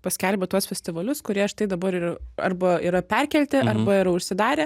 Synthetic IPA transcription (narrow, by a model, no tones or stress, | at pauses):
pɐsʲkʲɛlʲbʲɛt̪uɔsfʲɛsʲt̪ʲɪʋɐlʲʊskʊɾʲiɛʃt̪ɐɪd̪ɐbɐɾɪɐ̰rbɐiɾɐpʲɛrʲkʲɛlʲt̪ʲɪʔɐrbɐɪɾɐʊʃʲsʲɪd̪ɑːɾʲeː